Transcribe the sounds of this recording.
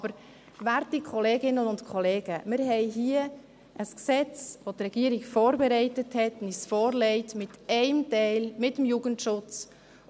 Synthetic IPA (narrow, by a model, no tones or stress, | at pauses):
bəɾ | væɾtikʰχɔleːɡɪnənʊntkʰɔleːɡ̥əmɪɾɦɛɪɦiə | əsksɛt͡sʋotrɛɡ̥iəɾikfɔːɾbɛɾɛɪtəthɛtnisfɔːɾlɛɪtmɪtɛɪmtɛɪlmɪtːəmjuɡəntʃʊt͡s